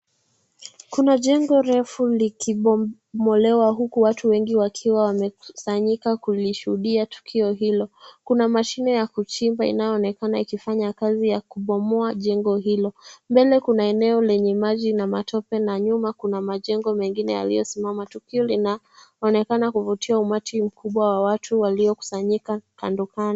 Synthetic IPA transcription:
kunaʄɛŋɡɔɾɛfulikʰiɓɔ | mɔlɛwaɦukuwatʰuwɛŋɡiwakʰiwawamɛkusaɲikakuliʃuhuɗiatu̥kʰiɔɦilɔkunamaʃinɛjakut͡ʃimbaḭnajɔːnɛkanaikifaɲakazijakuɓɔmɔaʄɛŋɡɔɦilɔmbɛlɛkunaɛnɛɔlɛɲɛmaʄinamatɔpɛnaɲumakunamaʄɛŋɡɔmɛŋɡinɛ̰ja̰lḭjɔ̰simamatukiɔlinaː | nɛkanakuvutiaumatʰim̩kʰuɓwawawatʰuwaliɔku̥saɲikakandukan

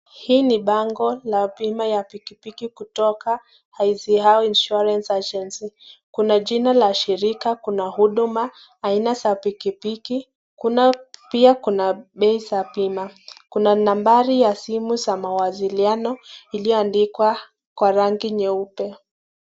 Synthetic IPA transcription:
hiːniɓaŋɡɔlapimajapikipikikutɔka | haizihawinʃuɾɛnsat͡ʃɛnsikunaʄinalaʃiɾikakunahuɗumaː | inasapikipiki | kunapiakunaɓɛisapimakunanambaɾijasimuzamawazilianɔilijɔandikwa | kwaɾaŋɡiɲɛupɛ

